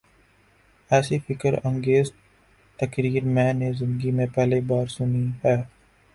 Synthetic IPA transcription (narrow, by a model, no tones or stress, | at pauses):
ɛːsifɪkəɾɐ̃ŋɡeːz | t̪ɐkɾiːɾmɛ̃ːnezɪ̃nd̪əɡimẽpɛɦlebaːɾsʊniɦɛː